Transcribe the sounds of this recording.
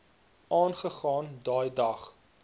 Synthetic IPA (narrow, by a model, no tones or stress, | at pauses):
ʔɑːnχəχɑːndɑːjdɐχ